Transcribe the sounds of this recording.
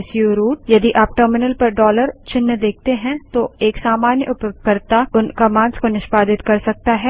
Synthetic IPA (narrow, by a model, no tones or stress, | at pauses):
sjuɾuːʈ̚jɐd̪iʔaːp̚ʈəːɾmɪnəlpɐɾɖɔːləɾt͡ʃɪnːəd̪eːk̚ʰt̪eɦɛ̃t̪oeːksaːmaːnjə̰ʔʊpjoɡkɐɾt̪aʊnkamãːnskonɪʃpaːd̪ɪt̪kɐɾsɐk̚t̪aɦɛː